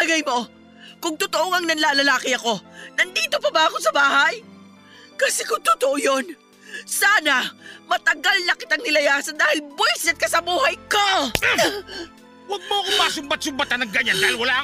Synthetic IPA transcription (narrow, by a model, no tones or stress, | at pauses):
ʔɐɡɐjmo̞ | kʊŋt̪ʊt̪oʔoŋɐŋnɐnlaːlɐlaːkɪɐko̞nɐnd̪iːt̪opɐbaɐko̞sɐbaːhɐj | kɐsɛkʊŋt̪ʊt̪oʔojon | saːnɐmɐt̪ɐɡalnɐkɪt̪ɐŋnɪlɐjaːsɐd̪aːhɪlbwojsɛt̪̚kɐsɐbuːɦɐjko | wɐɡ̚moɐkomaːsʊmbat̪̚sʊmbat̪anɐŋɡɐɲand̪aːhɪlwɐlaːʔ